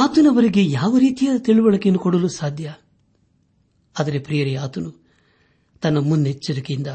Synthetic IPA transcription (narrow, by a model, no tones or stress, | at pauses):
aːt̪unɐʋɐɾiɡejaːʋɐɾiːt̪ijaɐt̪iɭuʋɐɭɐkenːukɔɽɐlusaːd̪ʱjɐ | ɐd̪ɐɾepɾijɐɾijaːt̪unu | t̪ɐnːɐmund̪et͡ʃːɐd̪ɐkind̪ɐ